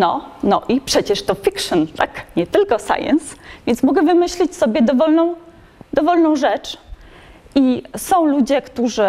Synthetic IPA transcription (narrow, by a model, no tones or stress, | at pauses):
nɔnɔʔipʂɛt͡ɕɛʂt̪ɔfʲikʂɨnt̪akɲɛt̪ɘlkɔsa̰jɛ̰nsvʲjɛ̃ntsmɔɡɛvɘmɘɕlʲit͡ɕsɔbʲjɛd̪ɔvɔlnɔ̃w̃ | d̪ɔvɔlnɔ̃w̃ʐɛt͡ʂ | isɔ̃w̃lud͡ʑɛkt̪uʐɘ